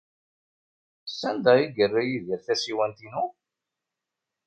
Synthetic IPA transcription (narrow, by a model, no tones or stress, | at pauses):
sːænd̪æiɡərːæjiðəɾθæsiwænt̪inu